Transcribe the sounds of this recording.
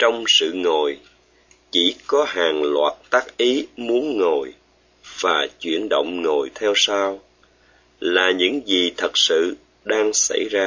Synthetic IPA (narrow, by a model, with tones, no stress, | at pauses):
t͡ɕɔ˧wŋ͡msɨ̰˧˨ŋo˨˩j | t͡ɕi˧˩kɔ˨˦ɦaː˨˩ŋlwa̰ː˨˩t̚t̪aː˦˥k̚ʔi˨˦mu˨˦ənŋo˨˩j | v̥aː˨˩t͡ɕwḭ˧˨ənɗo̰˧˨wŋ͡mŋo˨˩jt̪ʰɛ˧wsaː˧w | laː˨˩ɲɨ̰˧˥ŋzi˨˩t̪ʰə˨˩k̚sɨ̰˧˨ | ɗaː˧ŋsa̰˧˩jzaː˧